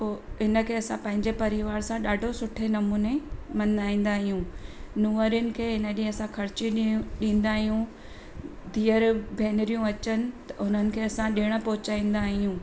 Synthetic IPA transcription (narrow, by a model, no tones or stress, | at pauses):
oɦɪnə̆kʰeːɐsãpɐ̃ɦɪ̃ɲd͡ʑepɐɾɪʋaːɾsãɗaːɖʱosʊʈʰenɐmuːnemɐnaːĩːn̆d̪aːɦijũːnuːəɾjʊnɪ̆kʰeːɦɪnəɗɪ̃ɦɐsãkʰɐɾɪt͡ɕiɗĩːn̆d̪aːɦijũ | d̪iːəɾbʱeːnɪɾijũɐt͡ɕənɪ̆t̪ɐʊn̤ənɪ̆kʰeːɐsãɗɪɽ̃ə̆pɐɦʊt͡ɕaːĩːn̆d̪aːɦijũː